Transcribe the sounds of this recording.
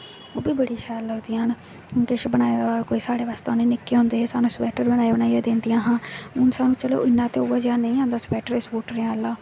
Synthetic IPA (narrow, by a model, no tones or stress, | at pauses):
oːbiːbəɽiːʃʰɛːlːəɡd̪iːɦən | kɪʃbənaːed̪akoːiːsaːɽeːʋaːst̪anẽːnɪkːeːɦõːnd̪eːɦeːsaːnũːspɛːʈəɾbənaːiːbənaːijaːd̪ẽːnd̪ɪjãːɦãːʊnsaːnũːt͡ʃəlo̰ːɪnːãːt̪eoːaːd͡ʒaːnəĩːãːnd̪aːspɛːʈəɾesboːʈɾãlːaː